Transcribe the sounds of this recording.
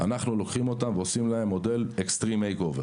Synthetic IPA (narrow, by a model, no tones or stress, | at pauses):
anaχnulo̞kχimo̞t̪amveosimlae̞mːo̞d̪e̞lekst̪ʁimejkoveʁ